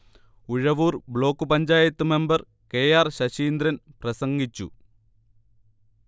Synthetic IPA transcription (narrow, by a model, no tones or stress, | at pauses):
uɻɐʋuːrbɭo̞ːkːɨpɐɲd͡ʑaːjɐt̪ːɨme̞mbɐr | keːjaːrɕɐɕiːnd̪ɾɐnprɐsɐŋɡit͡ɕːṵ